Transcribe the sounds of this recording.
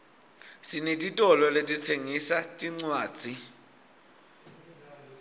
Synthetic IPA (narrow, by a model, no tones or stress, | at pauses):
sinitʼitʼɔlɔletʼitʰeŋisatʼiŋ͡ǀwaːd̥z̥ʱi